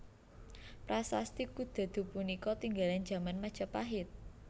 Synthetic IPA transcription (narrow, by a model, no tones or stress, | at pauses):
pɾasa̰st̪ikud̪̥a̤d̪̥ṳpunikɔt̪iŋɡalan̥d͡ʒ̥a̤manmḁʒ̥apaɦɪt̪̚